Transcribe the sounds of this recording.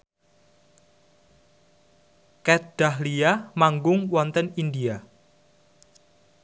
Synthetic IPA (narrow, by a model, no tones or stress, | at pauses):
kɛt̪d̥ahliamaŋɡʊŋwɔnt̪ənindia